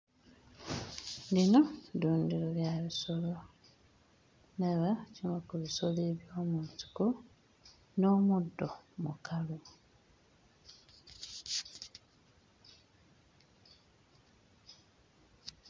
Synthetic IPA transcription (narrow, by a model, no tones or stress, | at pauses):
lino̞duːndiɾoljaβiso̞lo | neβacimakuβisoleβjo̞ːmunti̥ko | noːmudːomṵkʰalu